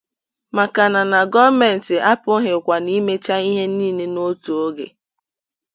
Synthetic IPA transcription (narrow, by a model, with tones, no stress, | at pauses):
ma˨ka˨na˨na˨ɡɔ˦me˨n̩˨tɪ˨ʔa˦pʊ˦ɦɪ˨kʷa˨ni˦me˦t͡ʃa˦i˦ɦe˦niː˦˨ne˦no˦to˨o˦ɡḛ˨